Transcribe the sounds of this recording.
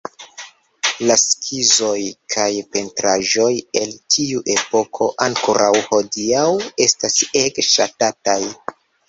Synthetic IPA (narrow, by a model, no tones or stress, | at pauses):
laskʰizo̞jkʰajpe̞ntɾaʒo̞je̞ltʰiuʔe̞po̞kʰo̞ʔaŋkoɾʔawho̞diawe̞stase̞kʃatataj